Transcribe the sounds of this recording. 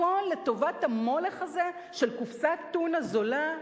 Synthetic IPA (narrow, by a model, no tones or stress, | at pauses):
ole̞to̞vathamo̞leχaze̞ | ʃe̞lkufsat̪ːunazo̞la